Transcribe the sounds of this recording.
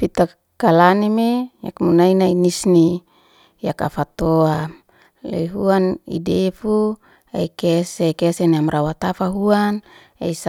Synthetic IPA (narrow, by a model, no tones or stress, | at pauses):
fit̪a | kalanimeja̰kmunainainisni | jaka̰fat̪oam | lḛiɦuanḭdefu | aikesekeseniamɾawat̪afaɦuan | a̰is